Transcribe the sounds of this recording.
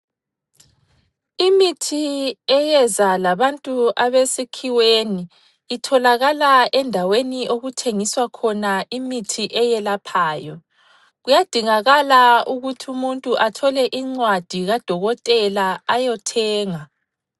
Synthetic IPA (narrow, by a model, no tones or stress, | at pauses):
imitʰiɛjɛzalaβantʼuʔaβesikʰiweniː | tʰɔlaɣalaʔɛndʱaweniʔoɣutʰeŋiswakʰɔnaimitʰiʔɛjɛlapʰaːjɔ | ɣujad̥ʱiŋaɣalauɣutʰiumuntʼuʔatʰɔlɛʔiŋ͡ǀwad̥ʱiɣad̥ʱɔɣɔtʼɛlaajɔtʰɛːŋa